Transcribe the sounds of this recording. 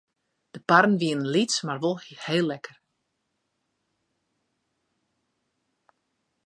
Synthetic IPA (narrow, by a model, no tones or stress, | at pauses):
d̥əparn̩ʋiənənlitsmarʋolˠheːlːɛkər